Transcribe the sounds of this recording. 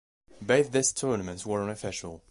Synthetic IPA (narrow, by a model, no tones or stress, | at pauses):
beθðɪstʰɜɹnəmɨ̃ntswə˞ə̃nɨfɪʃəl̩ˠ